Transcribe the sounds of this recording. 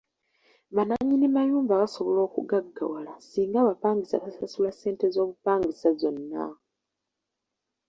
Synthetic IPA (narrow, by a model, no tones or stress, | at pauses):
βanaɲːinimajuːmbaβaso̞βo̞lo̞ːkṵɡaɡːa̰walasiːŋɡaβapaːŋɡisa̰βasasulasːe̞ːnte̞zo̞ːβupaːŋɡisazo̞nːa̰